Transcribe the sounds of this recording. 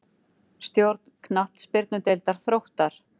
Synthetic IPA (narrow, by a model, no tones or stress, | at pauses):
st̪jowɾt̪̚nkʰnat̪spɪɾt̪nʏt̪ejlt̪aɾ̥θɾowht̪aɾ̥